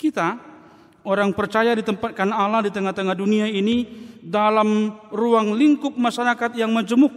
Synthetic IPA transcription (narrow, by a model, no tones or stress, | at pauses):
kit̪a | oɾaŋpərt͡ʃajadit̪əmpat̪̚kanaladit̪əŋaht̪əŋahduniainidalamruaŋliŋkʊp̚maʃaɾakat̪̚jaŋməd͡ʒəmʊk̚